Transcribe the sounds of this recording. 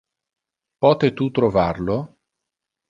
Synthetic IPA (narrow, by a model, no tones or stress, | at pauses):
pɔːt̪et̪ut̪ɾovarlo